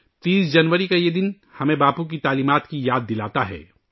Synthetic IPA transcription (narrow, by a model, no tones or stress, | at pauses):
t̪iːsd͡ʒɐnʋəɾikajed̪ɪn | hɐmẽbaːpũk̬it̪aːliːmaːt̪kijaːd̪ːɪlaːt̪aɦɛ̰ː